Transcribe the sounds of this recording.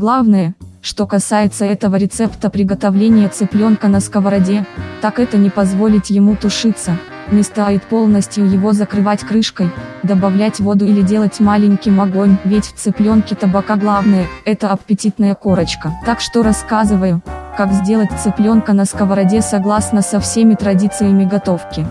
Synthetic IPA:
ɡlˠavnəjəʂt̪o̞kɐsajɪt̪səɛt̪əvəɾʲɪt̪sɛpt̪əpɾʲɪɡət̪ɐvlʲenʲɪjət̪sɨplʲo̞nkənəskəvəɾɐdʲe̞t̪akɛt̪ənʲɪpɐzvo̞lʲɪt̪ʲjɪmut̪ʊʂɨt̪sːə | nʲɪst̪ajɪt̪̚po̞lˠnəsʲtʲjʊjɪvo̞zəkɾɨvatʲkɾɨʂkəjd̪əbɐvlʲætʲvo̞d̪ʊɪlʲɪdʲe̞lˠətʲmalʲɪnʲkʲɪjmɐɡo̞nʲvʲɪtʲft̪sɨplʲo̞nkʲɪt̪əbɐkaɡlˠavnəjəɛt̪əɐpʲɪtʲit̪nəjəko̞ɾət͡ɕkət̪akʂt̪oɾɐskazɨvəjʊkakzʲdʲe̞lˠətʲt̪sɨplʲo̞nkənəskəvəɾɐdʲesɐɡlˠasnəsɐfsʲemʲɪt̪ɾɐdʲit̪sɨjəmʲɪɡɐt̪o̞fkʲɪ

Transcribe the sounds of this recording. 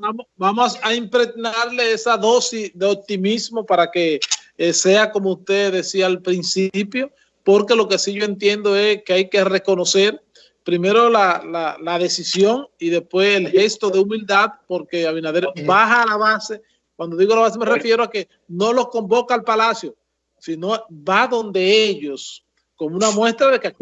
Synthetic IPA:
bamobamosaimpɾe̞ɡnaɾle̞esaðo̞sisðe̞op̚t̪imismo̞paɾake̞ | se̞ako̞moust̪e̞ðe̞siaːlpɾinsipjo̞ | po̞ɾke̞lo̞ke̞siʝo̞e̞nt̪je̞nd̪o̞e̞skeajke̞re̞ko̞no̞se̞ɾ | pɾime̞ɾo̞lalalað̞e̞sisjo̞ŋiðe̞spwe̞selhe̞st̪o̞ðe̞umild̪aðpo̞ɾke̞aβinaðeɾbaɦaːlaβase̞ | kwand̪o̞ðiɣoalaβasemerefje̞ɾoake̞ | no̞lo̞sko̞mbo̞kaːlpalasjo̞ | sino̞baðo̞nd̪e̞eʝo̞s | ko̞mounamwe̞st̪ɾaðek

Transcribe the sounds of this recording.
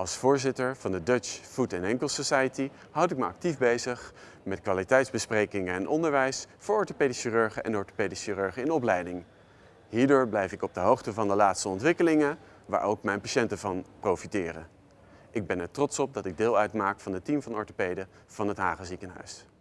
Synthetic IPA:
ʔɑlˠsfʊːɹzɪtəɹv̥ɑndədət͡ʃfutɛnɛŋkəlˠsosajəti | ɦʌwtɪk̚məɑ̰k̚tivbejzəχ | mɛtkʋaːlitɛjtzbəsprejkɪŋəɛnʔɔndəɹʋɛjsfʊːɹɔɹtopejdəsirøɹχəʔɛ̰nɔɹto̥pejdəsirøɹχəɪnɔp̬lɛjdɪŋ | ɦiːɹdʊːɹblɛjfɪkɔb̚dəɦowχtəvɑndəlaːtstəɔntʋɪkəlɪŋə | ʋa̰ːɹowkmɛjnpaʃɛntəvɑnprowfitɪːrə̰ | ʔɪɡ̚bɛnɛɹtrɔtsɔp̚dɑtɪɡ̚dɪːlˠœɥtmaːkfɑnətimvɑnɔɹtopejdə | v̥ɑnɦətɦaːχəzikənɦœ̰ɥs

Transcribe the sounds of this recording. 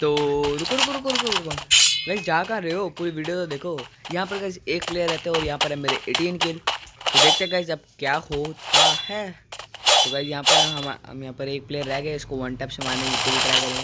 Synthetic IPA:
t̪oːɾʊkoɾʊkoɾʊkoɾʊkoɾʊkoɡɐkd͡ʒaakaɾɐopuːɾiʋiːɖijot̪od̪eːkʰojɐɦãpɐɾkɐt͡ʃeːk̚pleːjəɾːɛɦt̪eɦɛ̃ɔːɾjɐɦãpɐɾɦɛmeːɾeʔeːʈiːnkɪlt̪od̪eːk̚t̪ekɐd͡ʒɐb̚kjaːhotk̪ahɛ | t̪okɐd͡ʒjɐɦãpɐɾɦɛɦɐm̰ɦɐ̰mjɐɦãpɐɾeːk̚pleːəɾːɛɦɡɐeɪskoʋɐ̃ɳʈɛːpsemaːnekɪlik̪ɐɾaːkelẽ

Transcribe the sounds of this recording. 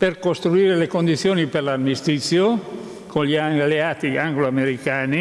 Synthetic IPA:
perkost̪ɾuiːɾelekond̪it̪sːjoːniperlamist̪it̪sːjo | kʰonʎialeaːt̪iaŋɡloameɾikaːni

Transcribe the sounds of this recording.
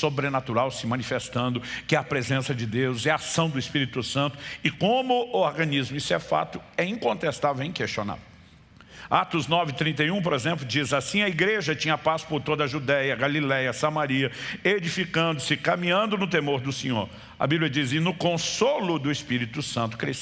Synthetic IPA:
sobɾenat̪uɾawsɪmɐ̃nifest̪ɐ̃nd̪ʊkɪɛɐpɾezẽsɐd͡ʒɪd̪ewzɛɐasɐ̃w̃d̪ʊispiɾit̪ʊsɐ̃nt̪ʊ̥ɪkõmʊːoɾɡɐ̃nizmʊisʊɛfa̰t̪ʊɛĩkõnt̪est̪avewẽj̃kest͡ʃona̰vew | at̪ʊznɔvɪt̪ɾĩnt̪ɐjũpoɾezẽmp̬lʊd͡ʒizasĩɐiɡɾeʒɐt͡ʃĩɲɐpaspoɾt̪od̪ɐʒud̪ɛjɐɡalilɛjɐsamaɾiɐed͡ʒifikɐ̃nd̪ʊsɪkamĩɲɐ̃nd̪ʊnʊt̪emoɾd̪ʊsẽɲoɾ | ɐ̰biblʲɐd͡ʒizɪnʊkõsolʊd̪ʊespiɾit̪ʊsɐ̃nt̪ʊ̥kɾes

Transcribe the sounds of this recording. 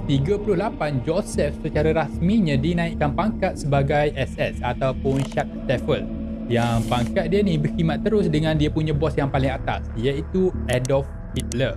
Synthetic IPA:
t̪iɡapulʊhlapand͡ʒɔsɛfsət͡ʃaɾaɾasmiɲãdinãikːanpaŋkat̪̚səbaɡajʔɛsɛ̰sat̪awpʊnʃat̪̚st̪ɛfəl | jaŋpaŋkat̪̚dianĩbəhimat̪̚ːəɾʊsdəŋãndiapuɲãbɔsjaŋpalɪŋat̪a̰sjait̪uɛdɔf | it̪̚lə

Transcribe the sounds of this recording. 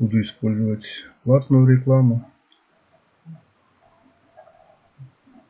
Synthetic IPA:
ud̪ʊispɔlʲzʊʋɐt̪ʲplˠat̪nuɾeklˠamʊ

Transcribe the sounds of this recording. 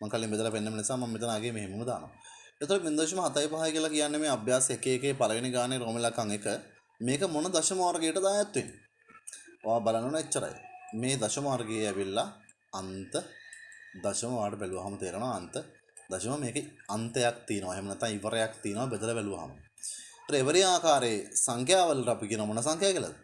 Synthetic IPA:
maŋkɐlːiŋbed̪əlɐpenːɐmɐnisaːmɐmːit̪̬ɐnaːɡeːmeɦemuməd̪aːnɐ̰ʋa̰et̪ːolɐmind̪oʃ̬ɐmɐɦɐt̪ajpaɦajkijəlɐkijanːemeːabjaːsɐekeːkeːpɐlɐɡɐniɡaːneɾoːmilakaŋekə | meːkəmonəd̪ɐʃɐmaarɡijəʈəd̪aːjat̪ːuin | o̰ʋaːbalanːəʋɐɳnɐet͡ʃːɐɾɐ̰j̰meːd̪ɐʃɐmɐʋaɾɡejeɛʋilːaː | nt̪ə | d̪ɐʃɐmɐʋaːʈəbɛluʋɐɦɐmət̪eːɾenoʋaːnt̪ə | d̪ɐʃɐmɐmeːkɐnt̪əjak̚t̪iːnɐʋaɦemənɛt̪ːãŋiʋɐɾejakt̪iːnɐʋabəd̪ələbɛluʋɐ̰ɦɐ̰mə̰ | t̪ɾɐeʋəɾiaːkaːɾeːsaŋkjaːʋəlːɐʈapikiːənɐʋamonɐsaŋkʰjaːkilɐ̰d̪ə

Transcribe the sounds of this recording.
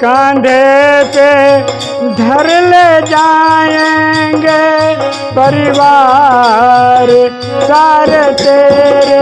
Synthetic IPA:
kãːnd̪ʱete | d̪ʱɐɾled͡ʒaːjẽŋɡe | pɐɾɪʋaː | ɾ | saːɾet̪eːɾ

